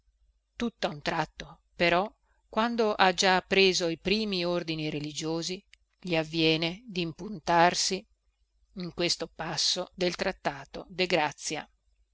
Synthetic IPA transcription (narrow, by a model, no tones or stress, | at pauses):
t̪ut̪ːaunt̪ɾat̪ːo | peɾɔ | kːwand̪oʔad͡ʒapːɾeːzoipɾiːmiord̪iniɾelid͡ʒoːzi | ʎiavːjɛːned̪impunt̪arsi | iŋkwest̪opasːod̪elt̪ɾat̪ːaːt̪od̪eɡɾat̪sːja̰